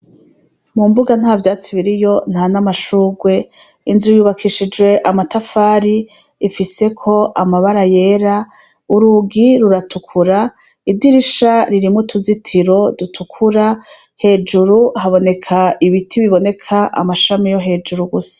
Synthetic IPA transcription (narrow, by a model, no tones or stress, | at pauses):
mumbuɡan̥havjaːt͡siβiɾijo̞n̥hanamaʃuːɡwe̞ | inzujuːβakʰiʃid͡ʒwe̞ʔamatafaːɾiː | fise̞kʰo̞ʔamaβaɾaje̞ːɾa | uɾuɡiɾuɾatukʰuɾa | idiɾiʃaɾiɾimutʰuzitʰiɾo̞dutʰukʰuɾa | he̞ːd͡ʒuɾuhaβo̞ne̞kʰaiβitʰiβiβo̞ne̞kʰaʔa̰maʃamijoɦe̞ːd͡ʒuɾuɡusḁ